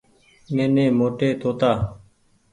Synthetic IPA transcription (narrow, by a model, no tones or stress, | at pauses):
neːnẽːmoːʈeːt̪oːt̪aː